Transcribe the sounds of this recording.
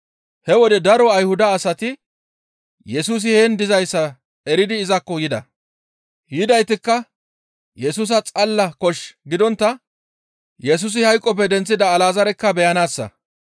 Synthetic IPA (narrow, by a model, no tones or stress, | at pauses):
hɛwɔd̪ɛd̪ɐɾɔɐjhʊd̪ɐːsɐt̪ɪ | jɛsuːs̬ɪhɛnd̪ɪzɐjsːɐ | ɛɾɪd̪ɪːzɐkːɔjɪd̪ɐ̰ | jɪd̪ɐjt̪ɪkːɐ | jɛsuːs̬ɐt͡sʼɐlːɐkɔʃɡɪd̪ɔnt̪ːɐ | jɛs̬ʊːs̬ɪhɐjkʼːɔp̬ːɛd̪ɛnt͡sːɪd̪ɐːlaːzɐɾɛkːɐbɛjɐnaːsːɐ̰